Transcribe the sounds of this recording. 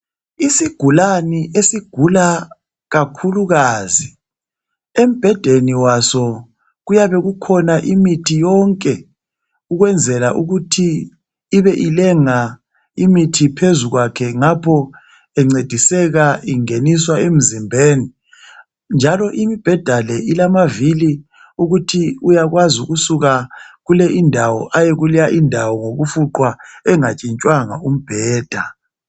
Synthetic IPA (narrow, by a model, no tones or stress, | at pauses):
isiɡ̥ʱulaniʔesiɡ̥ʱula | ɣakʰuluɣaːzi | em̩b̥ʱɛd̥ʱeniwasɔ | ɣujaβɛɣukʰɔnaʔimitʰijɔŋkʼɛ | uɣwɛnd͡zʱɛlaʔuɣutʰiː | βɛʔilɛŋa | imitʰipʰezuɣwakʰɛŋapʰɔ | ɛŋ͡ǀed̥ʱisɛɣaiŋeniswaem̩zimbʱeːni | nd͡ʒʱalɔʔimib̥ʱɛd̥ʱalɛilamavili | uɣutʰiujaɣwazuɣusuɣaɣulɛʔindʱawɔ̰ʔajeɣulijaʔindʱawɔŋoɣufuǃwaɛŋat͡ʃʼint͡ʃʼwaŋa̰um̩b̥ʱɛːd̥ʱa